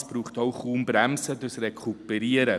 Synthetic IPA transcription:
sb̥ɾuːχtoʊχuːmbɾɛmsədəsrɛkʰupɛɾiəɾə

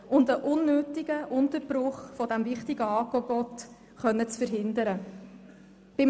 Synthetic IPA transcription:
ʊndəʔʊnːøːtɪɡ̥əʔʊntəɾb̥ɾʊχfɔdæmvɪχtɪɡəɑːkɔɡɔt | χœnːət͡sfəɾɦɪnd̪əɾə | b̥ɪm

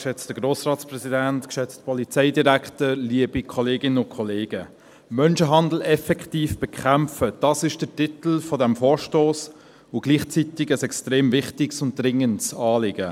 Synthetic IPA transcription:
ʃɛt͡stəɡɾoːsrɑːtt͡sprɛsidæntkʃɛt͡st̚pɔlit͡sɛɪdiɾæktəliəbikʰɔleːɡɪnəʊnkʰɔleːɡ̥ə | mœnʃəɦɑnd̪l̩ɛfɛktiːfb̥ɛkʰχæmfəd̥ɑsɪʃd̥ətɪtl̩fɔdɛmfɔːɾʃtoːs | ʊɡ̥liːχt͡sit̪ɪɡəsɛkstɾeːmvɪχtɪksʊnt̚d̥ɾɪŋəntsɑːlɪɡ̥ə

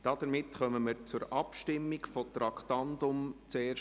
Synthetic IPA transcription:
d̥ɑd̥əɾmɪtχœməməɾt͡sʊɾʔɑpʃtɪmːɪkfotɾɑkʰtɑndʊmt͡seːʃ

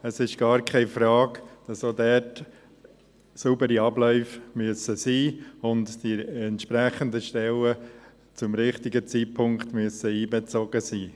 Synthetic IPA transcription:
əsɪʃ̚ɡ̥ɑːɾkʰɛɪfɾɑːkd̥ɑsoːdɛt | subəɾiɑblœʏfmyəsəsiːʊntd̥iɛntʃpɾɛχəndəʃtɛlə | t͡sʊmɾɪχtɪɡət͡siːtpʰʊŋktmyəsəiːbɛt͡soːɡəsiː

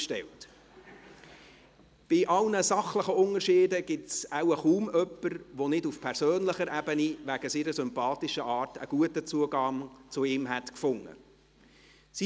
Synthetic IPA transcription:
ʃtɛ̰lt | b̥ɪʔɑlnəsɑχləχəʊnəʃɪːdəɡ̥ɪtsawəχuːmœpːəɾʋonɪdufpʰɛɾsøːnləχəɾɛbəniʋæɡ̥əsiːɾəsʏmpɑːtɪʃəʔɑːrtə̰ɡ̥uətət͡suəɡɑŋt͡sʊɪːmɦɛtkfʊŋːə̰ | si

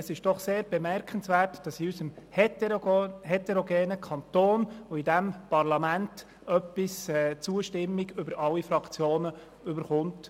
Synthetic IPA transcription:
əsɪʃd̥ɔχseːɾb̥ɛmɛɾkʰənsʋɛːrtd̥ɑsiysəm | hɛt̪ɛɾoɡeːnəkʰɑnt̪oːnoidæmpɑrlɑmænt | œpːisɛːt͡suəʃtɪmːiɡʏbəɾʔɑlːifɾɑkt͡sjoːnə | ʏbəɾχʊnt

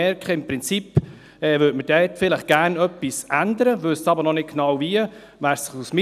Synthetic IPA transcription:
ɛɾkχəɪmpɾɪnt͡sip | ɛːvøtmədɛtfɪləχɡ̥æːrnœpːisænd̪əɾəvɵssɑbəɾnɔnɪt̚ɡ̥nɑwviə | væːɾsɪχusmɪ

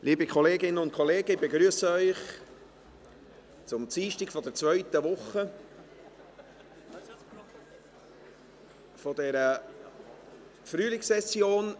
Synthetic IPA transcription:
lʔiːbikʰɔleːɡɪnːənʊnt̪kʰɔleːɡəɪbeɡɾyəsəœʏχ | t͡sʊmt͡siːʃtikfɔd̥ɛt͡svœʏt̪əʋʊχːə | fɔdɛɾə | fryːlɪksɛsjoːn

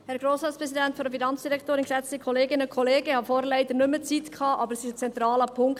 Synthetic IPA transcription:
hɛɾɡɾoːsɑːtspɾɛsidɛntfɔɾdəfinɑnt͡sd̥iɾɛkʰtoːɾɪnksɛt͡st̪əkʰɔleːɡɪnəkʰɔleːɡəhɑfɔːɾlæɪd̪ənʏmːət͡sit̪kʰɑːʔɑbəɾsɪʃət͡sɛnt̪ɾɑːləpʰʊŋkt

